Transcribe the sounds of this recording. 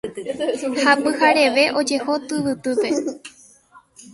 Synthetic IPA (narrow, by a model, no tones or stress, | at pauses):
hapɨhaɾe̞ʋe̞ʔo̞d͡ʒe̞ho̞t̪ɨʋɨt̪ɨpe̞